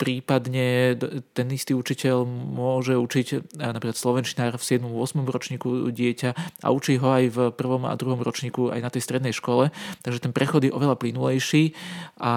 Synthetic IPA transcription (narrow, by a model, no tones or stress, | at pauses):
pɾiːpad̪ɲɛt̪ɛnist̪iːut͡ʃicɛʎmʊɔʒɛut͡ʃicnapɾiklat̪slɔʋɛnt͡ʃinaːɾfsɪɛd̪mɔmʊɔsmɔmɾɔt͡ʃɲiːkuɟɪɛcaʔa̰ut͡ʃiɦɔajvpr̩ʋɔma̰d̪ɾuɦɔmɾɔt͡ʃɲiːkua̰jnat̪ɛjst̪ɾɛd̪nɛjʃkɔlɛt̪aɡʒɛt̪ɛnpɾɛxɔd̪jɛɔʋɛlaplinulɛjʃiːʔa